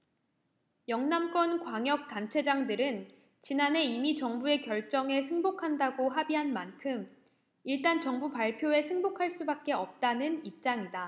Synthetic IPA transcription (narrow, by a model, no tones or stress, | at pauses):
jʌŋnamk͈wʌnkwaŋjʌk̚t͈ant͡ɕʰe̞d͡ʑaŋdɯɾɯn | t͡ɕinanɦe̞imit͡ɕʌŋbue̞kjʌɭt͡ɕ͈ʌŋe̞sʰɯŋbokʰandaɡoɦabiɦanmankʰɯm | iɭt͈ant͡ɕʌŋbupaɭpʰjoe̞sʰɯŋbokʰaɭs͈ubak̚k͈e̞ʌp̚t͈anɯnip̚t͡ɕ͈aŋida